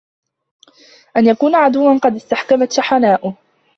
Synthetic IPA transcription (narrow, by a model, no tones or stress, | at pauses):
ʔanjakuːnaʕad̪ʊwːanqɑd̪ɪst̪aħkamat̪ʃaħanaːʔʊ